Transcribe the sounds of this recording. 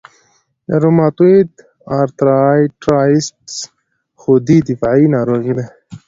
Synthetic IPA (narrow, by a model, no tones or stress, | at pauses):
jaɾumaːt̪uid̪ | aɾt̪ɾajʈɾaːisʈs | xod̪id̪ifainaːɾoːɣid̪e